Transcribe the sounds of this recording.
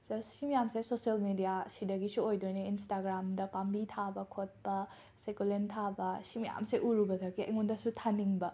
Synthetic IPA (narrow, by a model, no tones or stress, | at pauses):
zɐssimijamsejsoselmidijasidɐɡisuojdojnɐinstaɡɾamdɐpambitʰabɐkʰot̚bɐ | sekulentʰabɐsimija̰msejʔuɾubɐdɐɡiɐ̰jŋundɐsutʰaniŋbɐ